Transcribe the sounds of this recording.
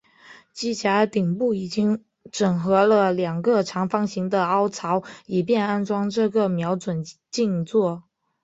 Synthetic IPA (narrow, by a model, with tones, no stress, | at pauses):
t͡ɕi˥t͡ɕja˧˥t̪i˨˩ŋpu˥˩i˨˩t͡ɕi˥ŋ | ʈ͡ʂɤ˨˩ŋxɤ˧˥lə˧ljɑ˨˩ŋɡə˧ʈ͡ʂʰɑ˧˥ŋfɑ˥ŋɕi˧˥ŋd̪ə˧ɑ˥ʊt͡sʰɑ˧˥ʊi˨˩pjɛ˥˧na˥nʈ͡ʂwɑ˥ŋʈ͡ʂɤ˥˧˩ɡə˩mjɑ˧˥ʊt͡swə˨˩n | t͡ɕi˥˧nt͡swɔ˥˩